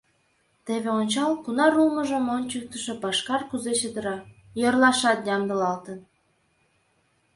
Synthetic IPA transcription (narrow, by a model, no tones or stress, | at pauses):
t̪eβeonʲt͡ɕɑlkunɑɾulmə̆ʒə̆mont͡ɕək̚t̪əʃĕpɑʃkɑrkuzet͡ɕəd̪ə̆ɾɑ | jɤrlˠɑʃɑt̪jɑmd̪ə̆lɑlt̪ən